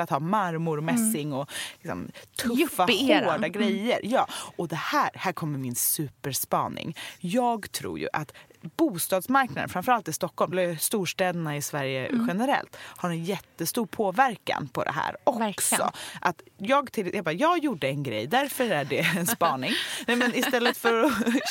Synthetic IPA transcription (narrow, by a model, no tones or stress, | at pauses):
at̪hɑːmaɾmʊɾmɛsːɪŋɔlɪksɔ̰mt̪ʰɵfːaoːɖaɡɾɛjːə̰ɾjɑːɔd̪ɛhæːɾhæːɾkʰɔmːəɾmɪnsʉ̟ːpəɾspɑ̰ːnɪ̰ŋjɑːɡt̪ʰɾṵːɾjɵ̰ʔat̪b̥uːst̪ɑːd̪smaɾknad̪ənfɾamfœɾalt̪ɪst̪ɔkːɔlmløst̪uːʂʈɛːd̪ənaɪsvæɾjə̰ɧɛnəɾɛ̰lt̪haɾɛnjɛt̪ːəst̪uːɾpʰoːvæɾka̰npʰɔd̪ɛ̰ɦæ̰ːɾɔksɔ̰ʔat̪jɑːɡt̪ʰɪljɑbɑjɑːɡjuɖːəɛnɡɾɛ̰jːd̪æɾfœɾæɖɛɛnspɑːnɪŋɛmɛnɪsɛlːət̪fœɾɔ